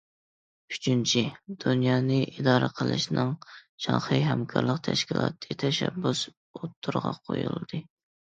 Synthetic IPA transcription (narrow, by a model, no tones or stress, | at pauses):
yt͡ʃʰynt͡ʃʰid̪̥unjɑːnɨʔid̪ɑːɾɨqʰəlˠɨ̰ʃnɨŋʃɑχɨɦɛmkʰɑɾlˠəqt̪ʰæʃkʲilˠɑːt̪ʰɨt̪ʰɛʃɛbːus | ot̪ʰːuɾʁɑqʰojulˠd̪̥ɨ